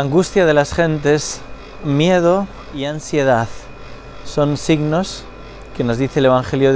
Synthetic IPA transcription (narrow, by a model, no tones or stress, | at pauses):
aŋɡust̪jað̞e̞lasxe̞nt̪e̞s | mje̞ð̞o | iansje̞ð̞aθ | so̞nsiɣno̞s | ke̞no̞zðiθe̞ːle̞βaŋxe̞ljoð